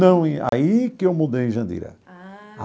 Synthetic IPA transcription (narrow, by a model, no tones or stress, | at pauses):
ɐ̃w̃ẽa̰ikɪewmud̪ej̃ʒɐ̃nd̪ḭɾɐ̰a